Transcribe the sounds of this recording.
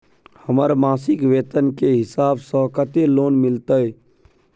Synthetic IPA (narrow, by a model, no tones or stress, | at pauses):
həməɾmaːsɪkʋeːt̪ənkeɦɪsaːbsɔ̃kət̪eloːnmɪlt̪əɦe